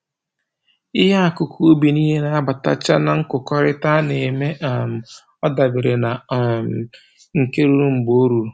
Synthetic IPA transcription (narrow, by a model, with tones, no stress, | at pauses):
ɪ˦ɦa˦a˨kʊ˨kʰu˦o˦bi˨ni˦ɦe˦na˨a˦ba˨ta̰˦t͡ʃa˦na˨ŋ̩˦kʊ˨kɔ˦ɾɪ˦ta˦ne˨me˦ʔa˨m̩˨ | ɔ˦da˨bɪ˨ɾe˨na˨m˨ | ŋ̩˨ke˦ɾu˦ɾu˦m̩˨ɡ͡bo˦ɾu˨